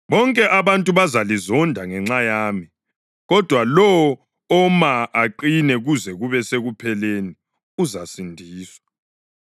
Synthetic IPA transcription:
βɔŋkʼɛʔaβantʼuβazalizɔndʱaŋɛŋ͡ǁajaːmi | ɣɔd̥ʱwalɔː | maʔaǃinɛɣuzɛɣuβɛseɣupʰɛleni | uzasindʱiːswḁ

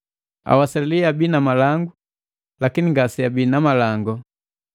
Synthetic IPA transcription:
a̰wasaliabinamalaŋɡu | lakiniŋɡasiabinamalaŋɡɔ

